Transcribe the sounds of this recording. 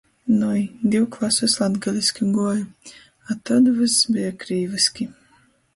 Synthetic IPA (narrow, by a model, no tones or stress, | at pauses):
nɔjd̪ʲiwklˠasɨslˠad̪ɡalʲisʲkʲiɡuɔju | at̪ad̪ɨvɨsbiakɾiːvɨskʲi